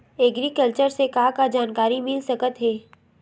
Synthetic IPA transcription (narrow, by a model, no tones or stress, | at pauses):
ɛɡɾikəlt͡ʃəɾsekaːkad͡ʒaːnkaːɾimɪlsɐkət̪ɦɛː